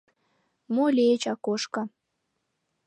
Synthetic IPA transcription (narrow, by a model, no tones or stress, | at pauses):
moleet͡ɕɑkoʃkɑ